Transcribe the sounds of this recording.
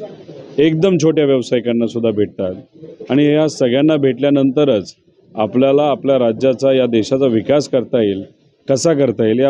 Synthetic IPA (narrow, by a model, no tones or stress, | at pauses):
ek̚d̪əmt͡ɕʰoʈjaʋjəʋsajkanːasud̪ʱːabʱeʈ̚t̪at̪ | aɽ̃ijasəɡɭjanːabʱeʈljanənt̪əɾəːt͡s | apljalaːpljaɾad͡ʑjat͡sajad̪eɕat͡saʋikaskəɾt̪ail | kəsak̬əɾt̪ailja